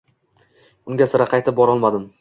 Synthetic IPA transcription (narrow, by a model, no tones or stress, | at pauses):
ʊŋɡʲasɪɾaqʰɑjt̪ʰɪp̚bɒɾɒlˠmad̪ɪm